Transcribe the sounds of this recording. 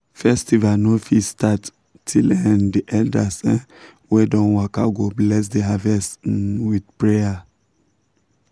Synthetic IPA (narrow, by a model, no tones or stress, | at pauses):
fɛstivanofistatːʰ | ilɛ̃ndiʔɛldasɛ̃ | wɛdɔ̃nwakaɡoblɛs̬deɦavɛstwidpɹeja